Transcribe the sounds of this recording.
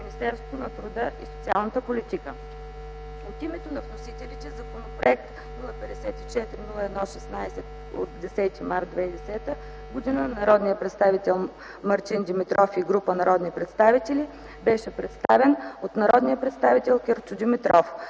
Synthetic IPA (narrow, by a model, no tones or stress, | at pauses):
minist̪ɛɾst̪vonɐt̪ɾʊd̪əʔiso̥t̪sia̰lˠnət̪əpolit̪ikə | ot̪imɛt̪onɐvnosit̪ɛlit̪ɛzɐkonopɾoɛk̚t̪ | nulˠəpɛd̪ɛsɛt̪it͡ʃɛt̪ɾinulˠəɛd̪nɔʃɛsnajsɛt̪ | o̰t̪d̪ɛsɛt̪imaɾt̪d̪vɛid̪ɛsɛt̪ə | ɡod̪inənɐɾɔd̪nijəpɾɛt̪st̪avit̪ɛlˠ | mɐɾt̪ind̪imit̪ɾɔfiɡɾupənɐɾɔd̪nipɾɛt̪st̪avit̪ɛli | bɛʃɛpɾɛt̪st̪avɛnot̪nɐɾɔd̪nijəpɾɛt̪st̪avit̪ɛlˠkʲɛɾʊd̪imit̪ɾɔf